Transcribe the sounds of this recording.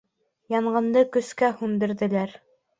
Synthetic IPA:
jɑɴɢɤ̆nd̪ɤkɵ̆skæhʉnd̪ɘ̆ɾðɘ̆læɾ

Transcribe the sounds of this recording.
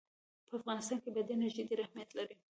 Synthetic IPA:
pʰəafɣɑnɪst̪ɑːnkebɐd̪enaʒɪd̪iɾahmijat̪laɾi

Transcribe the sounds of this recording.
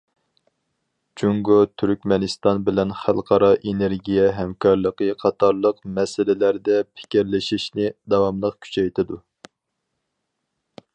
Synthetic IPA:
t͡ʃʰuŋɡut̪ʰyɾkʲmɛnɨst̪ɑnbɪlɛnχælˠqʰɑɾɑʔeneɾɡʲijɛɦɛmkʰɑɾlˠəqəqʰɑt̪ʰɑɾlˠəqmɛsɪlɪlæɾd̪ɛpʰɪ̥kʲiɾlɪʃiʃnɪd̪ɑwɑmlˠəqkʲʰy̥t͡ʃʰɛjt̪ʰɪd̪u

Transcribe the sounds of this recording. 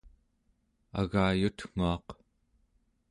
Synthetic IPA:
a̰ɣaːjut̪ŋ̥uɑq

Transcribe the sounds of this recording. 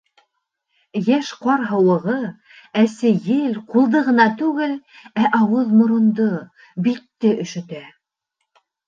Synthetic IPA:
jæʃqɑɾɦɤ̆wɤ̆ʁɤ | æsɘjɘlqulˠd̪ɤʁɤ̆nɑt̪ʉɡɘlæʔɑwɤðmŏɾŏnd̪o | bit̪ːɘʔɵ̆ʃɵ̆t̪æ

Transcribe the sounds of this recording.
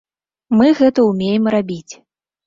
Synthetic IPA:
mɨɣɛt̪ɐumʲejɛmrabʲit͡sʲ

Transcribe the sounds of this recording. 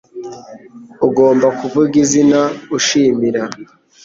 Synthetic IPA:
uɡo̞ːmbakuvuɡizinauʃimiɾa

